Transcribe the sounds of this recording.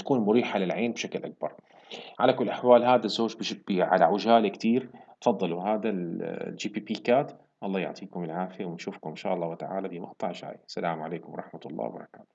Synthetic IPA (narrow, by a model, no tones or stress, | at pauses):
ḁkuːnmʊɾiːħalɪlʕeːnbʃaklʔak̚bɑ̰ɾˤ | ʕalakʊlːʔaħwaːlhaːd̪azːoːd͡ʒbb̥iʕa̰laʕʊʒaːlkt̪iːɾ | fɑd̪ˤːɑluɦaːd̪ald͡ʒiːpiːpiːkaːt̪ | ʔɑlˤːɑːjʊ̰ʕt̪ˤiːkʊmɪlʕaːfɪjawɪnʃuːfkʊmɪnʃaːʔɑlˤːɑːwɪt̪aʕa̰ːlad̪iːmɑqt̪ˤɑʕʃa̰ːjsalaːmʕaleːkʊmwɑɾˤɑħmat̪lˤːɑ̰ːwbɑ̰ɾˤɑka̰ːt̪ʊ̥